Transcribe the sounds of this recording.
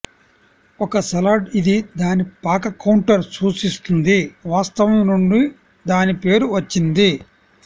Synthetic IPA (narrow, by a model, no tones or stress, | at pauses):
ɔkɐsɐlaːɖid̪id̪aːnipaːkɐkːɐwɳʈɐɾsuːt͡ʃist̪und̪iʋaːst̪ɐʋɐmnuɳɖi | d̪aːnipe̞ːɾuʋɐt͡ʃːind̪i